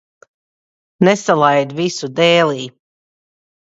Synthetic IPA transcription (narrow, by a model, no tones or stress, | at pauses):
nɛsalˠajd̪visud̪ɛːlˠiː